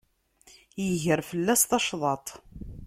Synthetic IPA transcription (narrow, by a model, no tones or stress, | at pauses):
jəʝəɾfəlːæsθɑʃðˤɑt̪ˤ